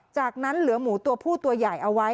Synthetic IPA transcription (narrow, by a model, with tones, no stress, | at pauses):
t͡ɕaː˨˩k̚na˦˥nlɯ˩˦ɐmuː˩˦t̪u˧ɐpʰuː˥˩t̪u˧ɐjaː˨˩jʔa˧wa˦˥